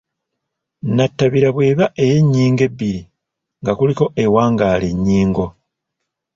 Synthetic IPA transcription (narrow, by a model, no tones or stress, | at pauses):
natːaβiɾaβwe̞ːβaʔe̞je̞ɲːiːŋɡe̞bːiɾi | ŋɡakuliko̞ʔe̞waːŋɡaːle̞ɲːiːŋɡo̞